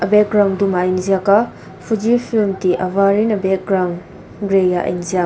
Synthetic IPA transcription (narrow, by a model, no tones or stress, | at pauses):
ɐbɛk̚ɡɾawndumainzijaka | pʰud͡ʒipʰilmtiʔɐwaɾinɐbɛk̚ɡɾawn | ɡɾejaʔḭnzija